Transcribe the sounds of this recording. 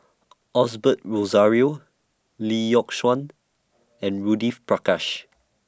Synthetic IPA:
ʔɔsbət̚ɹozaɹio | lijɔkʃwãn | ɛ̃nɹudifpɹakaʃ

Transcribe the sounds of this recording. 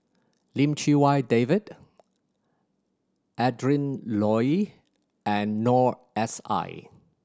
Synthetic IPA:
lĩmt͡ʃiwajdevid | ʔɛdɹĩnlɔj | ɛ̃nːɔɹ | ɛsa̰ɪ

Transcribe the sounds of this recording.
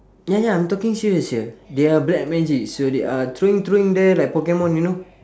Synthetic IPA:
ɲaɲamt̪ɔkiŋsiɾəsədiəblɛk̚mɛ̃d͡ʒik̚sodiat̪ɾuiŋt̪ɾuiŋdelajk̚pɔkemɔ̃ninu

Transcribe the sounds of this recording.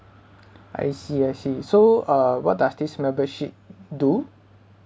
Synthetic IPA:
a̰jsiasisoʌwɔt̚dasd̪ismɛ̃bəʃit̚du

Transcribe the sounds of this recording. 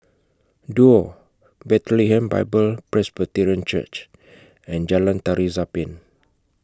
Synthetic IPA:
duo | bɛt̪liɦɛ̃mba̰jbəlpɹɛsbət̪iɹiə̃nt͡ʃə̰t͡ʃ | ɛ̃nd͡ʒalãnt̪aɾizapĩn

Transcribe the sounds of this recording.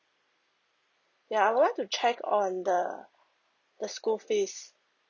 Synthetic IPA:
jaaɪjwudlaɪk̚tut͡ʃʰɛkʰɔ̃ndə | d̪̥əskulfes

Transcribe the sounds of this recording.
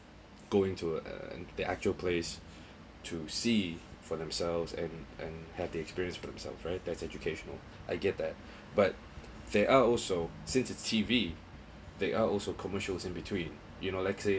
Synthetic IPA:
ɡ̥oɪ̃ŋtʰṵ̃diʔæk̚t͡ʃuəlˠpʰles | tʰusifɔðɛ̃msɛlvzɛ̰̃nʔɛ̰̃nhɛvdiɛkspiɹiə̃nsfɔdɛ̃msɛ̰lˠfɹaɪt̚d̪ɛtsɛd͡ʒukʰeʃɔnə̰l | ʔaɪɡɛt̚ðɛt̚ | b̥at̚ | dɛʔaɔlso | sɪ̃nsɪtstʰivi | ðeʔaɔlsokʰɔməʃəlsɪ̃nbitʰwĩn | junolaɪkse

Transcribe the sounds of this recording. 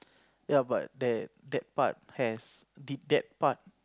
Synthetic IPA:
jaba̰t̚dɛt̚dɛt̚pa̰t̚hɛs | didɛt̚pat̚

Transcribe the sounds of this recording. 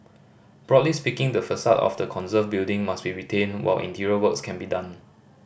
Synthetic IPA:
b̥ɹɔtlispikɪ̃ŋdəfəsatɔ̰fdəkʰɔ̃nzəfbildɪ̃ŋmasbiɹitʰẽnwa̰ɪlʔḭ̃ntʰiɹiəwəkskʰɛ̃nbidãn

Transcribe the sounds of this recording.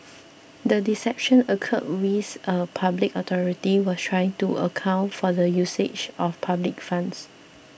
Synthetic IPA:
dədisɛp̚ʃə̃nəkʰə̰d̚wiθʔəpʰablikət̪ʰɔɹitiwɔstʰɹajɪ̃ŋtuə̰kʰãʊ̃ntfɔdəjused͡ʒɔfpʰablik̚fãns

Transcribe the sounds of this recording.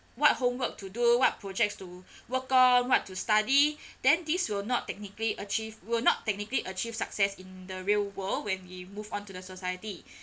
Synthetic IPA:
wɔt̚hõmwək̚tʰuduwɔt̚pʰɹod͡ʒɛk̚stuwəkɔ̃nwɔtːustadid̥ɛ̃ndiswilnɔttːɛk̚nikliʔət͡ʃivwilnɔtːɛk̚nikəliʔət͡ʃiv̥saksɛsĩndəɹilwəldwɛ̃nwimuvɔ̃ntudəsosajəti

